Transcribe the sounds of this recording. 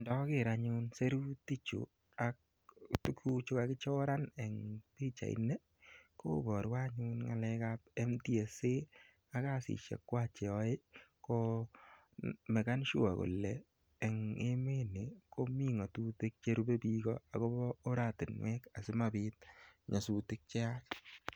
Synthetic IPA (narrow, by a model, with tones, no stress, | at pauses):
ndɔ˨˦kɪɾaɲunse˦ɾu˦ti˦t͡ʃṵ˨ | ak̚ | tu˦ku˦t͡ʃu˦ka˨kɪ˦t͡ʃɔ˦ɾa˦ne˨ŋpi˦t͡ʃa̰˨ḭ˨˦ne˦ | ko̰˦bɔ˨ɾwa˦ɲu˦nŋa̰˨lɛ˧kap̚e˦mti˦e˨se˦ | a˦ka˦sḭ˨ʃḛ˨kːwa˦t͡ʃe˨ɔ˨e˦ko˦ | me˨ka˦nʃu˦a˨ko̰˨lːɛː˨ | ŋe˦me˦ne˨ko˦mi˦ŋɔ˨tu˦te˦k̚t͡ʃe˦ɾu˦be˦bikɔ˦a˨ko˦bɔː˦ɾa˦˨tɪ˨nwɛ˦ka˨sɪ˦mabɪt̚ɲa˨su˨te˦k̚t͡ʃe˦a˦k